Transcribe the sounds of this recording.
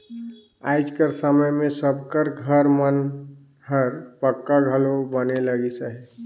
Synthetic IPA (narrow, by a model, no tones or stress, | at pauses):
a̰ːɪd͡ʒkəɾsəməjmẽsəbkəɾɡʱəɾmən | ɦəɾpəkːaɡʱəlobəneləɡisaɦɛː